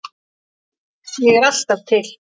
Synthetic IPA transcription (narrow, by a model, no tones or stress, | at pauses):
sjɛɣɛɾal̥t̪að̥t̪ʰɪl̥